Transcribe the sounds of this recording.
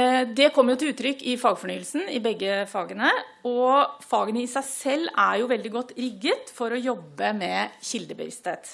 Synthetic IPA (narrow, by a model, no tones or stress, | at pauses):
d̪ɛkʰɔmːəjʊt̪ʰɪlʉːt̪ːɾʏkːɪfɑːɡfɔɳyːəlsn̩ɪbɛɡːəfɑːɡənə | ɔfɑːɡənəɪsæɪsɛlːæɾjʊʋɛld̪ɪɡɔt̪ːɾɪɡːət̪fɔɾɔjɔbːəmɛçɪld̪əbə̰ʋɪ̰st̪heːt̪